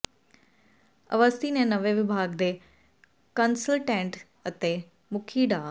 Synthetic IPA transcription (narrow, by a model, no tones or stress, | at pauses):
ɐ̰ʋəst̪inẽnɐʋeʋɪbʱaːɡd̪eː | kənsəlʈẽːɳʈ | ɐt̪e | mʊkʰiɖaː